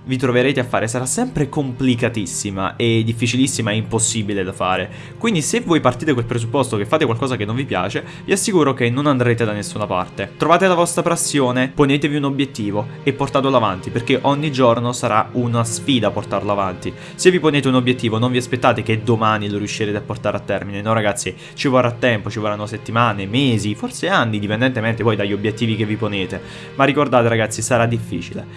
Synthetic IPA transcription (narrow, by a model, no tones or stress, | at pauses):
vit̪ɾoveɾeːt̪eafːa̰ːɾʔesaɾasːɛmpɾekomplikat̪isːima̰ʔed̪ːifːit͡ʃilisːimaɛimposːibiled̪afa̰ːɾe | kwind̪isevːoːjpart̪iːt̪ekolpɾezupːɔst̪okefːaːt̪ekwalkɔːzakenːoɱvipja̰ːt͡ʃe | viasːikuːɾokenːonand̪ɾeːt̪ed̪anesːunapa̰rt̪et̪ɾovaːt̪elavɔst̪ɾapɾasːjoːneponeːt̪eviunobjet̪ːiːvoepːort̪aːt̪oloavant̪iperk̟eʔɔɲːid͡ʒornosaɾa̰unasfiːd̪apːort̪arloavant̪i | sevːiponeːt̪eunobjet̪ːiːvonoɱviaspet̪ːaːt̪eked̪omaːniloɾiuʃːiɾeːt̪eapːort̪aːɾeat̪ːɛrminenɔrːaɡat̪sːi | t͡ʃivorːat̪ːɛmpot͡ʃivoɾrːanːoset̪ːimaːnemeːziforseanːid̪ipend̪ɛnt̪emɛnt̪epɔjd̪aʎːiobjet̪ːiːvikevːiponeːt̪e | marːikord̪aːt̪eɾaɡat̪sːisaɾad̪ifːḭːt͡ʃilḛ